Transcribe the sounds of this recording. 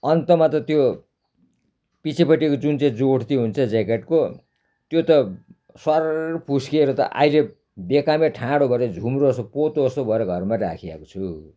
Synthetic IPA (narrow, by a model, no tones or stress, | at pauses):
ʌnt̪ʌmat̪ʌt̪jo | pit͡sʰipʌʈːikod͡zunt͡saĩd͡zoɽt̪iɦunt͡sʰʌd͡zekeʈko | t̪jot̪ʌ | swʌrpuskeɾʌt̪ʌ̰ʔa̰ile | bekameʈʰãɽobʱʌeɾʌd͡zʱumroʌsopot̪oʌsobʱʌeɾʌɡʱʌrmara̰kʰia̰kot͡sʰu